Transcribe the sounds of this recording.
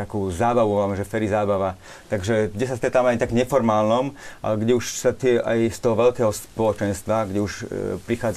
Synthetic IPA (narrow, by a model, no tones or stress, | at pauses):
akuːzaːbaʋuamɛʒɛfɛɾizaːbaʋa | t̪aɡʒɛɡɟɛsast̪ɾɛt̪aːmɛajt̪aɡɲɛfɔɾmaːlnɔmʔa̰ɡɟɛuʃsat̪ɪɛʔa̰jst̪ɔɦɔʋɛlkɛːɦɔspɔlɔt͡ʃɛnst̪ʋaɡɟɛuʃpɾixaːd͡z